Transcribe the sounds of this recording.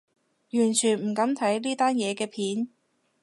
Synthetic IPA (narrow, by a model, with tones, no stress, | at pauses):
jyː˨˩nt͡ʃʰyː˨˩nm̩˨˩kɐ˨˥mt̪ʰɐ˨˥jliː˥t̪aː˥njɛː˨˧kɛː˧pʰiː˨˥n